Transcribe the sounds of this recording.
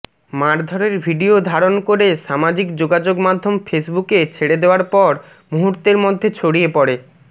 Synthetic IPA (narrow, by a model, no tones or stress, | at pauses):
maɾd̪ʱɔɾeɾbʱiɖiod̪ʱaɾonkoɾeʃamad͡ʑikd͡ʑoɡad͡ʑoɡmad̪ʱːomfesbuket͡ɕʰeɽed̪eoaɾpɔɾ | muɦuɾt̪eɾmod̪ʱːet͡ɕʰoɽiepɔɾe